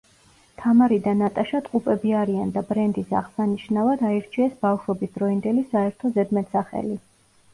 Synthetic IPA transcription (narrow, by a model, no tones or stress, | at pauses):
t̪ʰamaɾid̪anat̪ʼaʃat̪ʼqʼupʼɛbiaɾiand̪abɾɛnd̪isa̰ʁsaniʃnavad̪aiɾt͡ʃʰiɛsbafʃɔbisd̪ɾɔind̪ɛlisaɛɾt̪ʰɔzɛd̪mɛt̪saχɛ̰li